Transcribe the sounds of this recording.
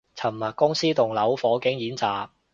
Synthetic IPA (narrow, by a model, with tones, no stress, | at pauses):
t͡sʰɐ˨˩mːɐ˨˩t̚kːʊ˥ŋsiː˥t̪ʊ˨˩ŋlɐ˨˥wfɔː˨˥kɪ˨˥ŋjiː˨˥nt͡saː˨k̚